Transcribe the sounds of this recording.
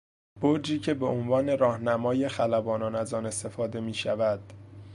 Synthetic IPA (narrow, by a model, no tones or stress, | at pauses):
b̥oɾd͡ʒiːcʰe̞be̞ʔonvɒːne̞ɾɒːhnæmɒːje̞xælæbɒːnɒːnæzɒːne̞st̪e̞fɒːd̪e̞miːʃævæd̪̥